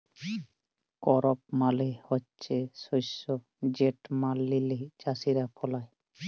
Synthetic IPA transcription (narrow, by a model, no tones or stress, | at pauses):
kɔɾɔp̚malehɔtːt͡ʃesojsɔ | d͡ʒeʈmalːiled͡ʒasiɾapʰɔlaj